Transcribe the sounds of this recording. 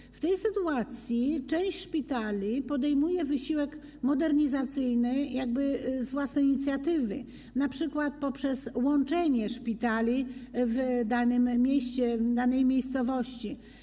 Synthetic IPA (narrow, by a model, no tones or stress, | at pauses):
ft̪ɛjsɘt̪uat̪sʲjit͡ʂɛ̃w̃ɕʂpʲit̪alʲipɔd̪ɛjmujɛvɘɕiwɛk | mɔd̪ɛɾɲizat̪sɘjnɘjaɡ̚bɘzvwasnɛjɲit̪sʲjat̪ɘvɘ | napʂɘkwat̪̚pɔpʂɛswɔnt͡ʂɛɲɛʂpʲit̪alʲivd̪anɘmːʲjeɕt͡ɕɛd̪anɛjmʲejst̪sɔvɔɕt͡ɕi